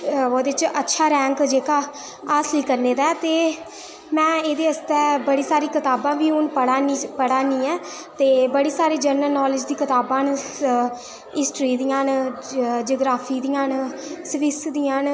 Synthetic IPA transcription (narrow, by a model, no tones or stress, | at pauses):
oːd̪eːɪt͡ʃətːʃʰaːɾɛ̃ːŋkd͡ʒeːkaː | aːsliːkəɾneːd̪aːt̪eː | mɛ̃ːeːd̪eːəst̪ɛːbəɽiːsaːɾiːkɪt̪aːbãːbiːʊnpəɽaːnpəɽaːnĩːɛː | t̪eːbəɽiːsaːɾeːd͡ʒəɾnəlnɔːlɪd͡ʒd̪iːkɪt̪aːbãːn | ɪsʈɾiːd̪ijãːn | d͡ʒoːɡɾaːfʰiːd̪ijãːnsʋɪsd̪iːãːn